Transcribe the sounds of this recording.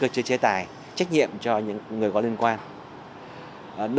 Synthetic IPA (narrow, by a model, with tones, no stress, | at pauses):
kəː˧t͡ɕɨ˧t͡ɕe˨˦t̪aː˨˩j | t͡ɕa˦˥k̟̚ɲḭ˧˨əmt͡ɕɔ˧ɲɨ̰˧˥ŋː˨˩əjkɔ˨˦li˧ənkwaː˧n˨˩ | ɗ